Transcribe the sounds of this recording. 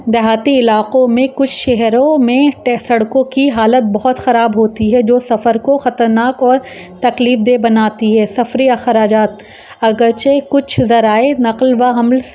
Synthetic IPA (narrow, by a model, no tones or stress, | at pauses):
d̪ɐɦaːt̪iɪlaːqõmẽkʊt͡ʃʰʃɛɦɾõmẽʈsɐɽkõkiɦaːlət̪̚bɐɦʊt̪xɐɾaːbɦoːt̪iɦɛd͡ʒoːsɐfəɾkoxɐt̪əɾnaːkɔːɾ | t̪ɐkliːfd̪eːbɐnaːt̪iɦɛːsɐfɾiɐxəɾaːd͡ʒaːt̪̚ | ɐɡəɾt͡ʃekʊt͡ʃʰzɐɾaːenɐqlʋaɦɐml